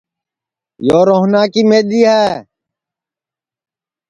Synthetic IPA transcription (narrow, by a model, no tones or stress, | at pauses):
joːɾoːɦnaːkiːmeːɗ̪iːɦɛː